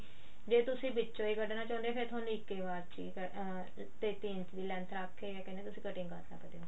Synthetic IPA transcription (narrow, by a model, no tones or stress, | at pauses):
d͡ʒeːt̪ʊsĩːbɪt͡ʃːt͡ʃoːiːkəɖnaːt͡ʃɔ̃ːnd̪eaːpʰeɾt̪ʰaːnũːɪkːeːʋaːɾt͡ʃḭkə | t̪eːt̪iːnt͡ʃd̪iːlɛ̃ːnt̪ʰɾaːkʰːeːɡɛːkɛ̃nd̪eːt̪ʊsĩːkəʈɪ̃ŋkəɾt̪na̰ːpəd̪eoː